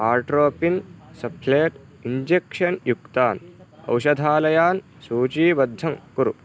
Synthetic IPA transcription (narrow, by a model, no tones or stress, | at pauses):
aːɾʈɾoːpinsɐpʰleːʈ | iɲd͡ʒekʃɐnjukt̪aːnɐ̰wʃɐd̪ʱaːlɐjaːn | suːt͡ʃiːbɐd̪ʱːɐŋkuɾṵ